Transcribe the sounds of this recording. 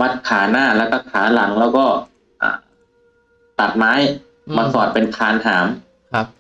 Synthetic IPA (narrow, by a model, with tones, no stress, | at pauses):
wa˦˥˩t̪̚kʰaː˩˦naː˥˩lɛː˦˥wkɔː˥˩kʰaː˩˦la˩˦ŋlɛː˦˥wkɔː˥˩ | ʔa̰ː˧˩ | t̪a˨˩t̪̚maː˦˥j | maː˧sɔː˨˩t̪̚pe˧nkʰaː˧nhaː˩˦m˧ | p̚